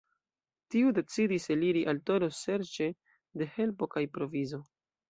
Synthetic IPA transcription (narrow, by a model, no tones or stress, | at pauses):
tiude̞t͡sidiseliɾiʔalto̞ɾose̞ɾt͡ʃe̞ | de̞he̞lpo̞kajpɾo̞vizo̞